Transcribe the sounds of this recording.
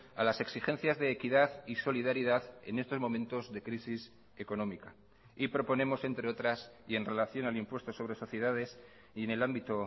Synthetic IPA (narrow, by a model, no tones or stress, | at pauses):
alase̞ksixẽ̞n̟θjazðe̞ːkiðaðiso̞liðaɾiðaðe̞̰ne̞st̪o̞zmõ̞mẽnt̪o̞zðe̞kɾisis | e̞ko̞nõ̞mika | ipɾo̞po̞ne̞mo̞se̞nt̪ɾe̞o̞t̪ɾasie̞nre̞laθjo̞nalimpwe̞st̪o̞so̞β̞ɾe̞so̞θje̞ðaðe̞s | ie̞ne̞lambit̪o̞